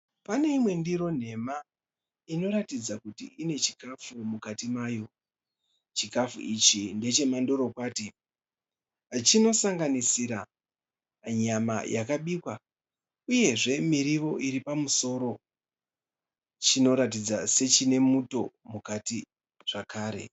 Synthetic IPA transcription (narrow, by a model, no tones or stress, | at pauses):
pane̞imwe̞ndiɾo̞n̤e̞ma | ino̞ɾatid͡zakutḭine̞t͡ʃi̥kafumukatimaːjo̞ | t͡ʃikafṵit͡ʃinde̞t͡ʃe̞mando̞ɾo̞kwaːti | t͡ʃino̞saŋɡanisiɾa | ɲama̰jʔa̰kaɓiːkwa | uje̞ʐe̞miɾiʋo̞ʔiɾipamuso̞ːɾo̞ | t͡ʃino̞ɾatid͡zase̞t͡ʃine̞muto̞mukati | ʐ̥akaːɾe̞̰